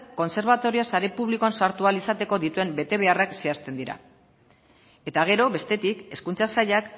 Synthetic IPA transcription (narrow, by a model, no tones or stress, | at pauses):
kːo̞nse̞ɾβ̞at̪o̞ɾiasaɾe̞puβliko̞ansaɾt̪ualisat̪e̞ko̞ðit̪ue̞mbe̞t̪e̞β̞e̞arakse̞ast̪e̞nd̪iɾa̰ | e̞t̪aɣ̞e̞ɾo̞βe̞st̪e̞t̪ike̞skunt͡sasaʎak